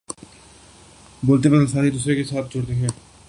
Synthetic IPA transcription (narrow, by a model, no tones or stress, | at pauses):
boːlt̪epənəsaːnid̪uːsɾekesaːt̪̚ʰd͡ʒʊɽt̪eɦɛ̃ː